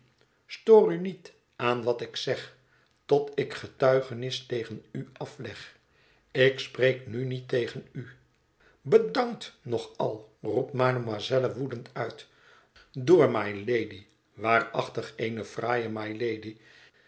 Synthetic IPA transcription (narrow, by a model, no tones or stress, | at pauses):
stoːrynit | ʔaːnʋɑtɪksɛχ | tɔtɪkχətœɥχənɪstejχənyɑflɛχ | ɪksprejknynitejχəny | bədɑŋk̚tnɔχɑ̰lˠrup̚tmaːnəmazɛləʋudəntœɥt | dʊːɹmajlejdi | ʋaːrɑ̰χtəχejnəv̥raːjəmajlejdi